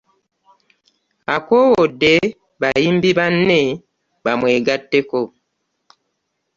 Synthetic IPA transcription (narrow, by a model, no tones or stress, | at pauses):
akowode | βajiːmbiβanːe | βamweːɡatːeko